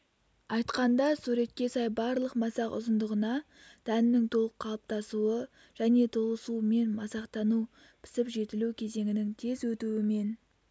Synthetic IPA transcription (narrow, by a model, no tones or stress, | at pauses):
ɑjt̪qɑnd̪ɑsuɾe̞t̪̚kʲe̞sɑjbɑɾlˠəqmɑsɑqʊ̰zənd̪əʁənɑ | d̪̥ænɪnɪŋt̪ʰo̞lˠəqʰːɑlˠp̚t̪ɑsuə | ʒ̥æne̞t̪ʰolˠəsume̞nmɑsɑqt̪ɑnu | pʰɪ̥sɪpʒe̞t̪ɪlukʲʰe̞ze̞ŋɪnɪŋt̪ʰe̞zwɵt̪uɪme̞n